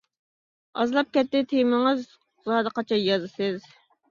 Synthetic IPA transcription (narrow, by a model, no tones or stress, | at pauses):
ɑzlˠɑp̚kʲɛt̪ːɪt̪ʰejmɪŋɨz | zɑːd̪ɨqɑt͡ʃʰɑjɑzɨsɨz